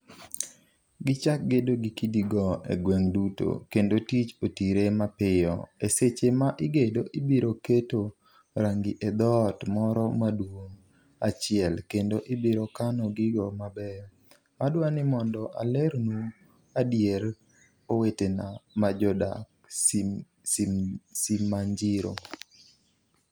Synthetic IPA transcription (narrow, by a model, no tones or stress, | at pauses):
ɡɪt͡ʃak̚ɡedoɡikidiɡɔḛɡwɛŋduto̰kendotit͡ʃotiɾemapɪjɔ̰eset͡ʃemaʔɪɡedoʔɪbiɾoketo | ɾaŋɡiʔed̪ɔtmɔɾɔmadwoŋ | at͡ʃɪɛlkendoʔɪbiɾokanɔɡɪɡɔmabɛ | adwanɪmɔndɔʔa̰lɛɾnu | adjeɾ | owetenamad͡ʒɔda̰k | simːaɲd͡ʒɪɾo̰